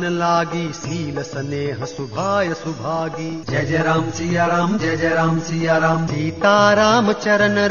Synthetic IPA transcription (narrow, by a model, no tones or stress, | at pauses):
nɐlaːɡiːsiːlɐsɐneːɦɐsubʱaːjɐsubʱaːɡid͡ʒɐd͡ʒɐɾaːmsijɐɾaːmd͡ʒɐd͡ʒɐɾaːmsijaɾaːmsiːt̪aːɾaːmɐt͡ʃɐɾɐnɐ